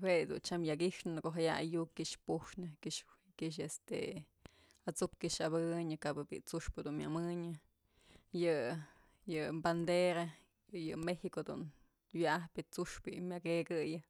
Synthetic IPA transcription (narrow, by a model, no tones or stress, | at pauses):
wejd̪ṵnt͡ʃamjakiʂnɨɨkoʔɦajaa̰jukkiʔʂpuʂnɨkiʂ | kiʃ̬est̪ḛ | at͡supkiʂaβɨɲɨkabɨbḭt͡suʂpɨd̪unmʲa̰mɨɲɨ | jɨ | jɨband̪eɾa | jɨmehikod̪ṵn | wjaʔahpʲɨt͡suʂpɨmʲjaɡeɡɨjɨ